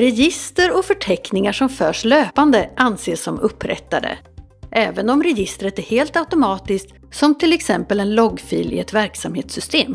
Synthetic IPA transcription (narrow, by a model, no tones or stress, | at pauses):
ɾɛjɪst̪əɾɔfœʈʰɛknɪŋaʂɔmfœːʂløːpand̪əʔanseːsːɔmɵpːɾɛ̰t̪ːad̪ə̰ | ʔɛːvənɔmɾɛjɪst̪ɾət̪æɾheːlt̪aʊt̪ʊmɑːt̪ɪsk̚t̪ | sɔmt̪ʰɪlɛksɛmpəlɛnlɔɡfiːlɪ̰ɛt̪væɾksamheːt̪sʏst̪eːm